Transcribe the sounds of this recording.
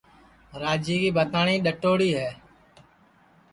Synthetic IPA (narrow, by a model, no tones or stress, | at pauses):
ɾaːd͡ʒiːkiːbʱət̪aːɳiːɗəʈoːɽiːɦɛː